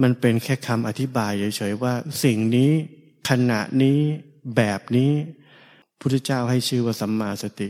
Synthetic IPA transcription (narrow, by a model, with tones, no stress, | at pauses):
ma˧npe˧nkʰɛː˥˩kʰa˧mʔa˧t̪ʰi˦˥baː˧jɯ˨˩˦t͡ɕʰɤ˩˦jwaː˥˩si˨˩ŋniː˦˥ | kʰa˧na̰˨˩ʔniː˦˥ | bɛː˨˩p̚niː˦˥ | uː˥˩t̪ʰːt͡ɕaː˥˩wɦa˥˩jt͡ɕʰɯː˥˩waː˥˩sa˩˦mːaː˧sa˧t̪i˨˩